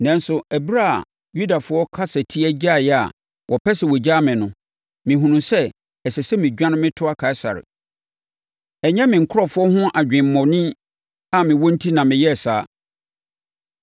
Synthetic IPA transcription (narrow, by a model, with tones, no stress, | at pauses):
nã˨n˦sʊ˨æ˨bɾa̰˦˨ | ju˦da˨fʊ˦ɔ˦kʰa˦sɛ˨tʰi˦æ˦d͡ʑa˦˨jɛ˦a̰˨ | wʔɔ˨pʰɛ˦sɛ˨wo˨d͡ʑa˦mɪ̃˨nʊ̃˦ | mɪ̃˨hɦũ˨nũ˨sɛ˦ | ɛ˨sɛ˨sɛ˦mɪ̃˨d͡ʑᶣã˦nʊ̃˦mɪ̃˦tʰʊ˦a˦kʰa˨ɪ˦sa̰˨ɾɪ̰˨ | ɛ˨ɲɛ̃˦mɪ̃˨ŋ̩˨kʰʊ˦ɾɔ˨fʊ˦ɔ˦hʊ̃˦ʔa˨d͡ʑᶣɪ̃˨m̩˦mɔ̃˨nɪ̃˦ | a˨mɪ̃˨wɔ̃˦n̩˦tʰi˦nã˨mɪ̃˨jɛ˦˨saː˨˦